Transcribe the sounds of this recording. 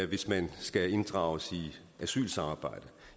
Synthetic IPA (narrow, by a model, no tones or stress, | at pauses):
ʋe̝smænsɡ̥æe̝nd̥ʁɑ̰̈ːʊəsi | æsy̰ːlsɑ̈mɑ̈ːb̥ɑ̈ɪ̰d̥ə